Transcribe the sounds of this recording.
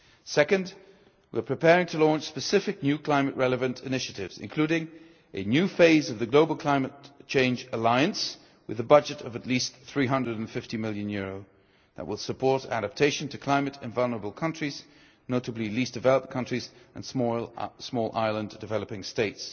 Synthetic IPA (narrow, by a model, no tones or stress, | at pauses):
sɛkɨ̃nd | wḭɹpʰɹ̥ɨpʰɛɹɪ̃ŋtʰəlɔ̃nt͡ʃspɨsɪfɨk̚njʉkʰl̥ãɪ̃mɨʔ̚ɹɛlˠəvɨ̃ntʰɨnɪʃɨɾɪvzɨ̰̃nkʰl̥ʉɾɪ̃ŋ | ʔɨnjʉfeɪzʌvðɨɡloʊbl̩ˠkʰl̥ãɪ̃mɨt̚t͡ʃʰẽɪ̃nd͡ʒəlaɪɨ̃ns | wɨðɨbʌd͡ʒɨɾʌvɨtˡlisθɹiɦʌ̃ndɹɨɾn̩fɪftimɪlˠjɨ̃njʊɹoʊ | ðə̰ʔ̚wəlˠsəpʰɔɹɾæ̰ɾɨp̚tʰeɪʃn̩tʰɨkʰl̥ãɪ̃mɨɾɨ̃nvʌlˠnə˞əbl̩ˠkʰʌ̃nt͡ʃɹ̥iz̥ | noʊɾɨblilisd̥ɨvɛlˠəp̚t̚kʰʌ̃nt͡ʃɹ̥izɨ̰̃n | smɔlˠʔa̰ɪlˠə̃ndɨvɛlˠəpɪ̃ŋsteɪts